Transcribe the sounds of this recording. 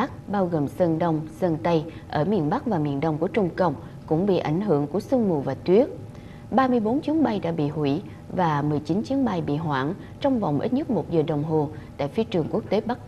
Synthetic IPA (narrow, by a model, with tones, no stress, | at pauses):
k̚ɓaː˧wɣəː˨˩msə˧nɗə˧wŋ͡msə˧nt̪ə˧jʔəː˧˩mi˨˩ənɓa˦˥k̚vaː˨˩mḭ˨˩ənɗə˧wŋ͡mku˧˩ət͡ɕʊ˧ŋ͡mkə˧˨wŋ͡m | kʊ̰˧˥ŋ͡mɓḭ˧˨ʔa˧˩jŋ̟ɦɨ˧˩əŋku˧˩əsɨ˧ŋmṵ˨˩vaː˨˩t̪wi˦˥ət̚ | ɓaː˧mɨ˧əjɓo˨˦nt͡ɕi˨˦ənɓa˧jɗa̰ː˧˥ɓḭ˧˨hwi˧˩ | vaː˨˩mɨ˨˩əjt͡ɕi˨˦nt͡ɕi˨˦ənɓa˧jɓḭ˧˨ɦwaː˧˩˨n | t͡ɕɔ˧wŋ͡mva̰˨˩wŋ͡mʔi˦˥t̚ɲə˦˥t̚mo˨˩t̚zəː˨˩ɗə˨˩wŋ͡mɦo˨˩t̪a̰ː˧˨jfi˨˦ət͡ɕɨ˨˩əŋku˦˥ək̚t̪e˨˦ɓa˦˥k̚